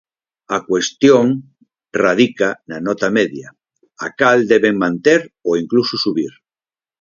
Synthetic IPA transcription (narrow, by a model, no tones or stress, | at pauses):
akwest̪joŋ | rað̞ikananɔt̪ameðja | akald̪eβeŋmãnt̪eɾoiŋklususuβiɾ